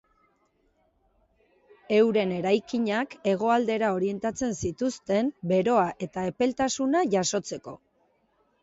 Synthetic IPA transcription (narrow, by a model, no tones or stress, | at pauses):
e̞wɾe̞ne̞ɾajkiɲake̞ɣ̞o̞ald̪e̞ɾao̞ɾie̞nt̪at͡se̞nsit̪ust̪e̞mbe̞ɾo̞aʔe̞t̪ae̞pe̞lt̪asunaʝaso̞t͡se̞ko̞